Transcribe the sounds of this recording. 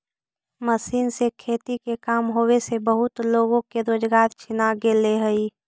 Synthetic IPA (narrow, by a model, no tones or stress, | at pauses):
məsiːnsekʰeːt̪ikekaːmɦoːwesebəɦʊt̪loːɡõkeɾoːd͡ʒɡaːɾt͡ʃʰɪnaɡeleɦəi